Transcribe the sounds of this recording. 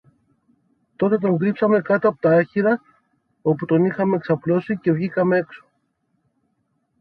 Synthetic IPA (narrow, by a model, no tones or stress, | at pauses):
t̪o̞t̪e̞t̪̬o̞ŋɡɾipsɐme̞kɐt̪oɐpo̥t̪ɐɐçiɾɐ | o̞put̪o̞nixɐme̞ːksɐplo̞sice̞vʝikɐmee̞kso̞̥